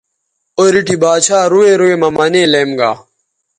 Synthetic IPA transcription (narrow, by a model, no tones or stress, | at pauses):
oɾiʈibaːt͡ɕʰaːɾuweɾuemɐmɐneːleːmɡa̰ː